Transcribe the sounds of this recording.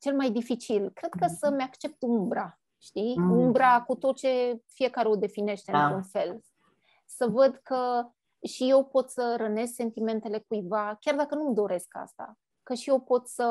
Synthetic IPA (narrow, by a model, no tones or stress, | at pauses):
t͡ʃe̞lmajd̪ifit͡ʃilkɾe̞d̪̚kəsəmakt͡ʃe̞p̚t̪umbɾa | ʃt̪iumbɾakut̪o̞t̪̚t͡ʃe̞fije̞kaɾeod̪e̞fine̞ʃt̪eɨnɾunfe̞l | səvəd̪kə | ʃije̞wpo̞t̪səɾəne̞sse̞nt̪ime̞nt̪e̞le̞kujvakʲard̪akənumd̪o̞ɾe̞ska̰st̪a̰ | kəʃije̞wpo̞t̪sə